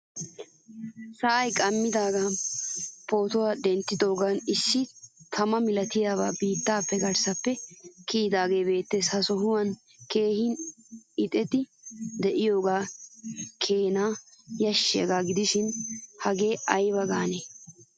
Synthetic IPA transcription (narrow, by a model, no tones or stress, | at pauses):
sɐʔɐjkʼɐmːɪd̪aːɡaː | po̞ːt̪ʊwaːd̪ɛnt̪ːɪd̪o̞ːɡaːnɪsːɪt̪ʰɐmɐmɪlɐt̪ɪjaːβa̰ːbiːt̪ːaːpːɛɡɐɾsɐpːɛkiːd̪aːɡe̞ːbe̞ːt̪ːeːshɐsɔɦʊwɐn | ke̞ːhɪn | ɪt̪ʼɛt̪ɪd̪ɛʔɪjo̞ːɡaː | kʰeːnaːjɐʃːɪjɐ̰ɡaːɡɪd̪ɪʃɪnhɐɡe̞ːʔɐjbɐɡaːneː